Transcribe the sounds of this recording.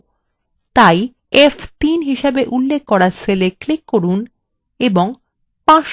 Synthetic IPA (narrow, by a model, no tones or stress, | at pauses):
t̪aj | eft̪inɦiʃebeʔulːekːɔɾaseleklikːoɾun | eboŋ | pãʃ